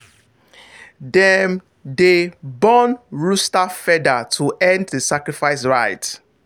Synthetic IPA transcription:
dɛm | debɔnɹustafɛdatʰuʔɛ̃ndðəsakɹifaɪs̬ɹaɪt

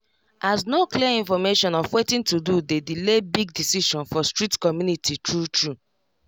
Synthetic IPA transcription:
ʔasnokliaĩnfɔmeʃɔ̃nɔfwetĩntududedilebiɡ̚disiʃɔ̃nfɔstɹitkɔmjunititɹutɹu

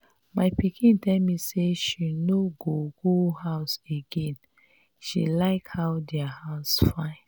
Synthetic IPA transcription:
maɪpikʰĩntɛlmiseʃinoɡoɡohaʊseɡẽn | ʃḭlaɪkhaʊdɛahaʊsfãɪ̃n

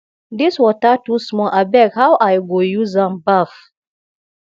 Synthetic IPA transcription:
diswɔtatusmɔʔabɛkhawʔajɡojuzãmbaf

